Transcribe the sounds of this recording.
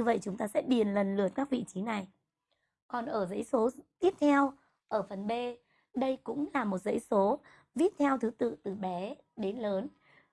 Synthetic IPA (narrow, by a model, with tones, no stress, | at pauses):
ɲɨ˧və̰˧˨jt͡ɕʊ˨˦ŋ͡mt̪aː˧sɛ̰˧˥ɓi˨˩ənlə˨˩nlɨ˨˩ət̚kaː˦˥k̚vḭ˧˨t͡ɕi˨˦na˨˩j | kɔ˨˩nʔəː˧˩zə̰˧˥jso˨˦t̪i˦˥əp̚t̪ʰɛ˧w | ʔəː˧˩fə˨˩nɓe˧ | ɗə˧jkʊ̰˧˥ŋ͡mlaː˨˩mo˨˩t̚zə̰˧˥jso˨˦ | vi˦˥əp̚t̪ʰɛ˧wt̪ʰɨ˨˦t̪ɨ̰˧˨t̪ɨ˨˩ɓɛ˨˦ | ɗe˨˦nləː˨˦n